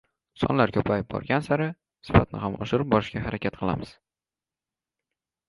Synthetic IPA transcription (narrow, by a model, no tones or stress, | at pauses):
sɒ̰nlaɾkʲʰɵpʰajɪp̚bɒ̰ɾɡʲansaɾɪ | sɪ̥fa̰t̪̚nɪ̰hamɒʃɪɾɪp̚bɒɾɪʃɡʲaɦaɾakʲʰat̪̚qʰɨlˠamɪz̥